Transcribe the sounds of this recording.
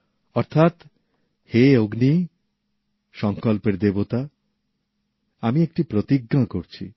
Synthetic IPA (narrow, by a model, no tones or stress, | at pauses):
ɔɾt̪ʰat̪ | heoɡni | ʃɔŋkolpeɾd̪ebot̪a | amiek̚ʈipɾot̪iɡːakoɾt͡ɕʰḭ